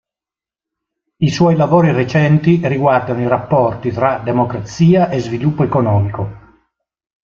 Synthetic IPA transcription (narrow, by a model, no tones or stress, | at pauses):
iswɔjlavoːɾiret͡ʃɛnt̪iriɡward̪anoirapːɔrt̪it̪ɾad̪emokɾat̪siːaʔezvilupːoekonɔːmiko